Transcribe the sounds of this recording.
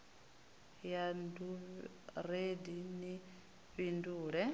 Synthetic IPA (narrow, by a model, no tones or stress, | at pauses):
jandu | redini | βinduːɺɛ